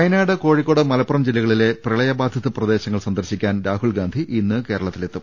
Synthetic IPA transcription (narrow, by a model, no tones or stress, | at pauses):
ɐjɐnaːɽɐko̞ːɻikːo̞ːɽɐmɐlɐpːrɐmd͡ʑelːiɣɐɭile̞prɐɭɐjɐbaːd̪ʱjɐðɨprɐd̪e̞ːɕɐŋːɐɭsɐnd̪ɐrɕikʲːaːnɾaːɦuɭɡaːnd̪ʱiʔinːɨke̞ːɾɐɭɐt̪ːile̞t̪ːum